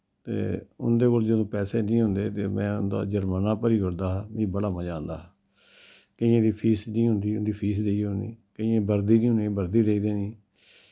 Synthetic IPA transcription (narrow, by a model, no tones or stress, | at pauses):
t̪ḛːʊ̰nd̪eːkold͡ʒəd̪õːpɛːseːnĩːɦʊnd̪eːt̪eːmɛ̰̃ːʊnd̪a̰ːd͡ʒəɾmaːnaːpəɾiːɦʊɾd̪aːɦmĩːbəɽaːmãd͡ʒãːnd̪a̰ː | kɪ̃ãːd̪iːpʰiːsnĩːɦʊ̃nd̪iːʊnd̪iːpʰiːsd̪eːiːɦonḭːkɪ̃ãːbəɾd̪iːnĩːɦʊnĩːbəɾd̪iːd̪eiːd̪eːniː